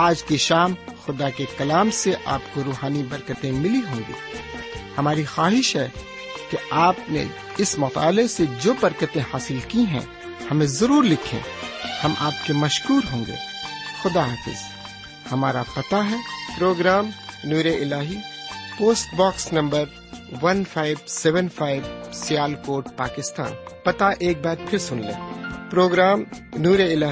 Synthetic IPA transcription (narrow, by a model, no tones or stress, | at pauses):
aːd͡ʒkeʃaːmxʊd̪akekɐlaːmseʔa̰ːpkoɾuːɦaːnibɐɾkət̪ẽmɪliɦõːŋɡḭːhɐmaːɾixaːɦɪʃɦɛː | keaːpnḛ | ɪsmɐt̪a̰ːlesed͡ʒoːbɐɾkət̪ẽhaːsɪlkiɦɛ̰̃ | hɐmẽzɐɾuːɾlɪkʰḛ̃ːhɐmʔa̰ːp̚kemɐʃkuːɾɦõːŋɡḛːxʊd̪aaːfɪ̰z̥ | hɐmaːɾapɐt̪aɦɛːpɾoːɡɾaːmnuːɾeʔɪlaːɦipoːsʈbaːksnɐ̃mbəɾ | ʋɐnfʰaːɪbsɛʋənpʰaːɪʋsɪjaːlkoːʈ̚paːkɪst̪a̰ːnpɐt̪aʔeːk̚baːt̪̚pʰɪɾsʊnlḛ̃ːpɾoːɡɾaːmnuːɾeɪlaː